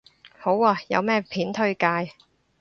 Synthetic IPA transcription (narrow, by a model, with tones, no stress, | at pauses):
ho˨˥waː˧jɐ̰˨˧wmɛː˥˩pʰiː˨˥nt̪ʰɵ˥ɥkaː˧j